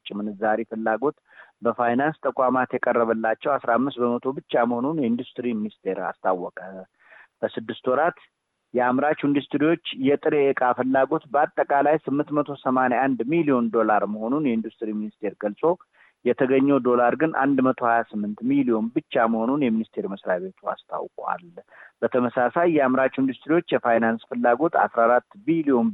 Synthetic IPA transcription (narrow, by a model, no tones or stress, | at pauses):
t͡ʃʼːɪmɨnɨzaɾifɨlːaɡo̞t̪ | bəfajnanst̪ʰəkʼamat̪jɛkʼərːəβəlːat͡ʃːɛwasɾaamːɨst̪̚bəmət̪ʰo̞bɨt͡ʃːaməho̞nunjɛind̪ust̪ʼɨɾiminist̪ʰe̞ɾa̰st̪ʰawːɔkʼə | b̥əsɨd̪ːɨst̪wɔɾat̪ | jɛamɾat͡ʃind̪ust̪ɾiwot͡ʃːjɛt̪ʼɨɾeʔːkʼafɨlːaɡo̞t̪bəat̪ʼːəkʼalajsɨmːɨnt̪mət̪ʰo̞səmaneand̪milio̞nd̪o̞laɾməho̞nunjɛind̪ust̪ʼɾiminist̪ʰe̞ɾɡəlsʼo̞ | jɛt̪ʰəɡəɲːɛwd̪o̞laɾɡɨnʔa̰nd̪mət̪ʰo̞hajasɨmːɨnt̪milio̞nbɨt͡ʃːaməho̞nunjɛminist̪ʰe̞ɾiməsɾaβe̞t̪ʰua̰st̪ʰa̰wkʼwa̰lbət̪ʰəməsasajːɛamɾat͡ʃind̪ust̪ɾiwo̞t͡ʃːjɛfajnansfɨlːaɡo̞t̪a̰sɾahaɾat̪ːbilio̞n